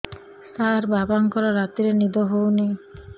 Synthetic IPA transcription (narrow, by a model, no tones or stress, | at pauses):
t̪aɾbabaŋkɔɾaɾat̪iɾenid̪oɦowne